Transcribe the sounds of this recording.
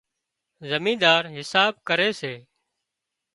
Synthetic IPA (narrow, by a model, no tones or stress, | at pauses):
zəmĩːd̪aːɾɦɪsaːb̚kəɾeːseː